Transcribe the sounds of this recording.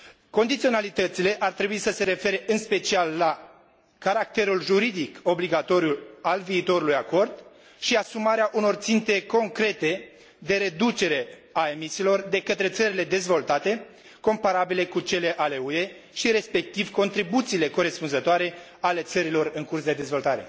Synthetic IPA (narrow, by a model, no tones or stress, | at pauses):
ko̞nd̪it̪sio̞nalit̪ət̪sile̞ʔart̪ɾe̞buisəse̞ɾe̞fe̞ɾe̞ʔɨnspe̞t͡ʃialːa | kaɾak̚t̪e̞ɾulʒuɾid̪iko̞bliɡat̪o̞ɾjualviːt̪o̞ɾulujako̞rd̪ | ʃiasumaɾeaʔuno̞rt̪sint̪e̞ko̞ŋkɾe̞t̪e̞ | d̪e̞ɾe̞d̪ut͡ʃe̞ɾe̞ | ae̞misiːlo̞rd̪e̞kət̪ɾe̞t̪səɾile̞d̪e̞zvo̞lt̪at̪e̞ | ko̞mpaɾabile̞kut͡ʃe̞le̞ʔale̞ue̞ | ʃiɾe̞spe̞k̚t̪ivko̞nt̪ɾibut̪siːle̞ko̞ɾe̞spunzət̪oaɾe̞ | ale̞t̪səɾilo̞rɨŋkursd̪e̞d̪e̞zvo̞lt̪aɾe̞̰